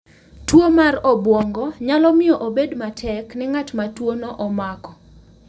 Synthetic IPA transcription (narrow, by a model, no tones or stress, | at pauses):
twomarɔbwɔŋɡɔɲalɔmɪɔʔobedmatʰɛknɪŋatmatwonɔʔɔmakɔ